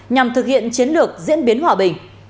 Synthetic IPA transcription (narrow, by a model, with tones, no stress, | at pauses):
ɲa˨˩mt̪ʰɨ˨˩k̚hḭ˧˨ənt͡ɕi˨˦ənlɨ˨˩ək̚zḭ˧˥ənɓi˨˦ənhwaː˨˩ɓï˨˩ŋ̟